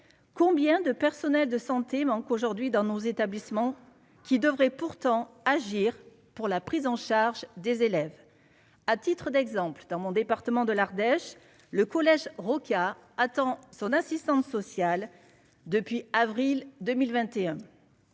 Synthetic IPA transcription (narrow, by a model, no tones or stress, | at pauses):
kɔ̃bjɛ̃d̪əpɛʁsɔnɛld̪əsɑ̃t̪emɑ̃koʒuʁd̪ɥid̪ɑ̃nozet̪ablismɑ̃ | kʲid̪əvʁɛpuʁt̪ɑ̃ | aʒiʁ | puʁlapχizɑ̃ʃaʁʒd̪ezelɛv | at̪it̪χəd̪ɛɡzɑ̃pld̪ɑ̃mɔ̃d̪epaʁt̪əmɑ̃d̪əlaʁd̪ɛʃ | ləkɔlɛʒʁɔkaat̪ɑ̃sɔ̃nasist̪ɑ̃t̪sɔsjal | d̪əpɥiavʁild̪əmilvɛ̃t̪eɛ̃